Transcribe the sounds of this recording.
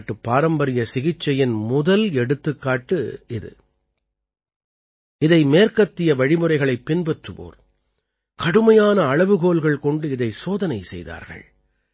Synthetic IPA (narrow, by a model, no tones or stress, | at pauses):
ʈːɯpːaːɾɐmbɐɾɪjɐsɪɣɪt͡ʃːɐjɪnmʊðɐlɛɽɯt̪ːɯkːaːʈːɯɪðɯ̰ | ɪðɐɪmeːɾkɐt̪ːɪjɐʋɐɻɪmɯɾɐɪɣɐɭɐɪpːɪnbɛʈrɯʋo̰ːɾ | kɐɽɯmɐjaːnɐːɻɐʋɯɣoːlɣɐɭkɔɳɖɯɪðɐɪsoːðɐnɐɪsɛ̰jða̰ːɾɣɐ̰ɭ